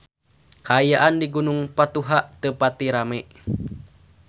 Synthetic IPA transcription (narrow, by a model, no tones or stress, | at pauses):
kaːjaʔandiɡunuŋpat̪uɦaʔt̪əpat̪iɾamɛʔ